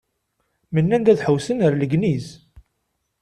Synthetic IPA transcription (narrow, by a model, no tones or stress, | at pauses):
mənːænd̪æðħəwsənəɾləɡniz